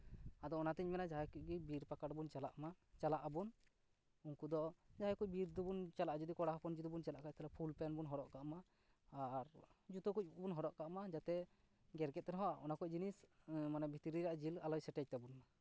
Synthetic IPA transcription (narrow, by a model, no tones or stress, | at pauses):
ad̪ɔɔnat̪ɛɲmɛnad͡ʒaɦakuc̚ɡibiɾpakaɽbunt͡ʃalaʔmat͡ʃalaʔabun | unkud̪ɔd͡ʒaɦajkuc̚biɾd̪ubunt͡ʃalaʔd͡ʒud̪ikɔɽaɦɔpɔnd͡ʒut̪ubunt͡ʃalaʔkaʔ̚t̪ɛlapʰulpɛnbunɦɔɾɔʔkaʔmaː | ɾd͡ʒut̪ɔkuc̚bunɦɔɾɔʔkaʔmad͡ʒat̪ɛ | ɡɛɾkɛt̪̚ːɛnɦɔaʔɔnakɔc̚d͡ʒinismanabʱit̪iɾiɾaʔd͡ʒilalɔjsɛʈɛc̚t̪abunma